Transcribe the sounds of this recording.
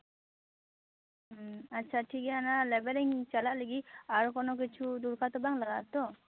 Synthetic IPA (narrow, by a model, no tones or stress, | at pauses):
atːt͡ʃʰaʈʰikɛanalɛbɛliŋt͡ʃalaleɡiaɾukʰɔnɔk̬it͡ʃʰud̪uɾkʰat̪ɔbaŋlaɡat̪ɔ